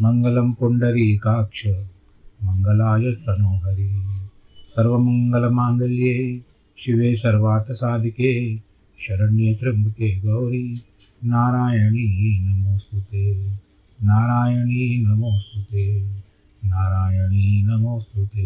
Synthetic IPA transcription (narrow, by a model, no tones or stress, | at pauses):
mɐŋɡɐlɐmpuɳɖɐɾikaːkʂɐ | mɐŋɡɐlaːjɐt̪ɐnoːɦɐɾi | sɐɾʋɐmɐŋɡɐlɐmaːnd̪ɐljeː | ʃiʋeːsɐɾʋaːɾt̪ʰɐsaːd̪ʱikeː | ʃɐɾɐnjeɐt̪ɾɐmukeːɡɐwɾi | naːɾaːjɐɳinɐmoːst̪ut̪eː | naːɾaːjɐɳinɐmoːst̪ut̪eː | naːɾaːjɐɳinɐmoːst̪ut̪eː